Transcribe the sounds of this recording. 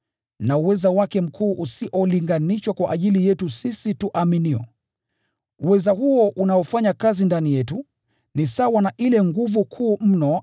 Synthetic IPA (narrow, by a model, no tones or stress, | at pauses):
nauwɛzawakɛm̩kʰuːʔusiʔɔliŋɡaniʃwakwaʔaʄilijɛtusisituʔaminiɔ̰ | uwɛzaɦuɔʔunaɔfaɲakazindanijɛtu | nisawanaʔilɛŋɡuvukʰuːm̩nɔ